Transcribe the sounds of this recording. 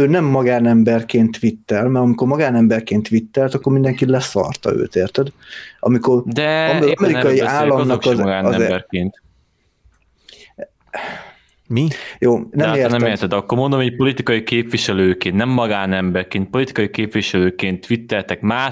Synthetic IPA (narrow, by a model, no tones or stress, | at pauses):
øːnɛmːɒɡaːnɛmbɛrkeːnt̪ʋit̪ːɛlmɛɾɒmikormɒɡaːnɛmbɛrkeːnt̪ʋit̪ːɛlt̪ɒkːo̞rmind̪ɛŋkit̪lɛsɒ̰rt̪ɒ̰ø̰ːt̪eːrt̪ɛd̪ʔɒ̰miko̞rd̪ɛɒmɒmɛɾikɒjiaːllːɒmnɒkɒzɡaːnɛbɛrkeːnt̪ | mijoːnɛmeːnɛmeːɾt̪ɛd̪ɒkːoɾmond̪omiːc̚po̞lit̪ikɒjikeːpviʃɛløːkeːnnɛmːɒɡaːnɛmbɛrkeːnt̪̚po̞lit̪i̥kɒjikeːpvʋiʃɛløːkeːnt̪ʋit̪ːɛlt̪ɛkmaː